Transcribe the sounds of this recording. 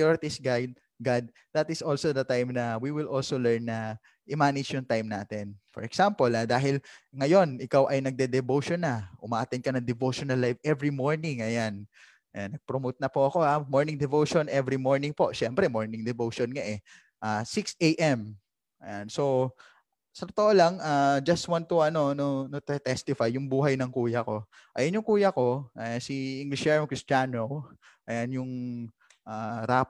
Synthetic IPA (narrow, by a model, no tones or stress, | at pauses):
oɹɪt̪ɪsɡajd̪̚ | ɡad̪̚ | d̪ɐt̪ɪsʔolsod̪ɐt̪ajmnɐwiwɪlʔolsolɛɹnːɐ | ʔɪmaːnɪd͡ʒjʊŋt̪ajmnaːt̪ɛnfɔ̰ɹɛksampolad̪aːɦɪlŋɐjo̞nʔɪkawʔɐjnɐɡ̚d̪ɛd̪ɛvowʃonɐʔʊmaʔaːt̪ɛnkɐnɐŋd̪ɛvowʃonɐlːajfʔɛvɹimoɹnɪŋʔɐjan | anːɐɡ̚pɾomot̪̚nɐpoɐko̞amoɹnɪŋd̪ɛvowʃonʔɛvɾimoɹnɪŋpo̞ʔʃɛmpɾɛmoɹnɪŋd̪ɛvowʃonŋɐʔɛ | ʔasɪksejʔɛm | ʔɐjanso̞ | sɐt̪ot̪oʔolaŋʔaːd͡ʒɐst̪̚want̪ʊʔɐno̞nonot̪ʊt̪ɛst̪ɪfajːʊŋbuːɦɐjnɐŋkuːjɐko̞ | ʔɐjonjʊŋkuːjɐko̞ɐjansiʔiŋɡlɪʃjɛɹomkɹɪst͡ʃanow | ʔɐjanjʊŋ | ʔaːɾaː